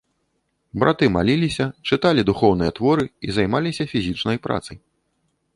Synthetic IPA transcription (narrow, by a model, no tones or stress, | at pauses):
bɾʔa̰t̪ɨma̰lʲilʲisʲɐt͡ʂɨt̪alʲid̪uxɔwnɨjɐt̪vɔɾɨizajmalʲisʲɐfʲizʲit͡ʂnɐjpɾa̰t̪sɐj